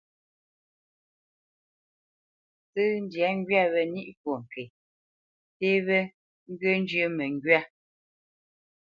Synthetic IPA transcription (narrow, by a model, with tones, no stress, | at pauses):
sɨ˦n̩˦dja˨˦ŋ̩˦ɡɥa˦βɛ˨ni˦ʔkwo˨ŋ̩˨ke˨ | te˦βɛ˦ | ŋ̩˦ɡə˦n˦d͡ʒə˦mɛ˨ŋ˦ɡɥa˦